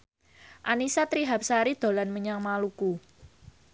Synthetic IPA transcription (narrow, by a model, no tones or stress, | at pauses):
ʔanisat̪ɾiɦap̚saɾid̪̥o̤lanməɲaŋmaluku